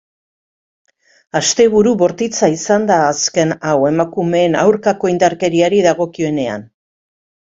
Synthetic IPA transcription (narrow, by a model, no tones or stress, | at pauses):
ast̪e̞βuɾuβo̞ɾt̪it͡saisand̪aːske̞nawe̞makume̞ːna̰wɾkako̞ind̪aɾke̞ɾiaɾiðaɣo̞kie̞ne̞a̰n